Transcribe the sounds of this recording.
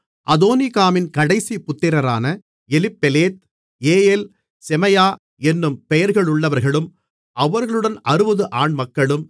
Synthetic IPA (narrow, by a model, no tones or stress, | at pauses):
ʔɐðoːnɪkaːmɪnkɐɽɐɪsipʊt̪ːɪɾɐɾaːnɐ | ɛlɪpːɛleːt̪̚ | eːjeːl | sɛmɐjaː | ɛnːɯmpɛjɐɾɣɐɭʊɭːɐʋɐɾɣɐɭɯm | ɐʋɐɾɣɐɭɯɽɐnɐɾɯbɐðɯʔaːɳmɐkːɐɭɯm